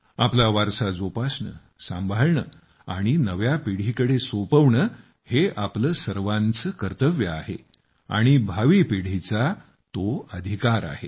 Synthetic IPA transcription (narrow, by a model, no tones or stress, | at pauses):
aplaʋaɾsad͡zopasɳə̰ | sã̰mbʱaɭɳə | aɽ̃inəʋjapiɽ̤ikəɽesopəʋɳə | heapləsəɾʋãnt͡səkəɾt̪əʋjəaɦḛ | a̰ɽ̃ibʱaʋipiɽ̤it͡sa | t̪oəd̪ʱikaɾa̰he